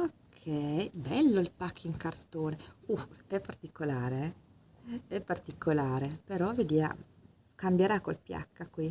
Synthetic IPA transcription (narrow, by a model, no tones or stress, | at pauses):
kʰeɛbɛlːoilpakʰːiŋkart̪oːneuɛpːart̪ikolaːɾe | ɛpːart̪ikʰolaːɾepeɾɔved̪iːa̰ | kambjeɾakolpja̰kːakwi